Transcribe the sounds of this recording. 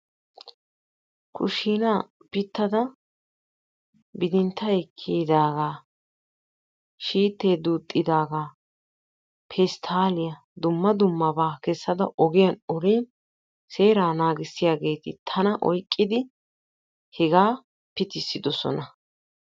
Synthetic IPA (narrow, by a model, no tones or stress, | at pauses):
kʰʊ̰ʃiːnaː | b̥ɪt̪ːɐd̪ɐ | bɪd̪ɪnt̪ʰːɐɛkʰːiːd̪aːɡaː | ʃiːt̪ːe̞ːd̪uːt̪ʼːɪd̪aːɡaː | pʰɛst̪ʰaːlɪjɐ | d̪ʊmːɐd̪ʊmːɐbaːkɛsːɐd̪ɐʔɔɡɪjɐnɔɾiːn | se̞ːɾaːnaːɡɪsːɪjaːɡe̞ːt̪ɪ̰t̪ʰɐnɐʔɔjkʼːɪd̪ɪ | hɛɡaː | pɪt̪ɪsːɪd̪ɔsɔ̰nɐ